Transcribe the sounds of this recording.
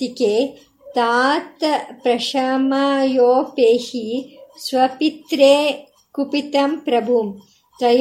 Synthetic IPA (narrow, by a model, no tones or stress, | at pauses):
t̪ikeː | t̪aːt̪pɾɐʃamajoːpeːhisʋɐpit̪ɾeː | kupit̪ɐmpɾɐbʱum | t̪ɾɐj